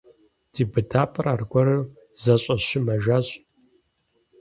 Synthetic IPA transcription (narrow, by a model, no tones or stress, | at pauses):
d̥iːbɨdaːpʰʼɨraːrɡʷɔɾɨw | zɐɕʼɐɕɪmɐʒaːɕʼ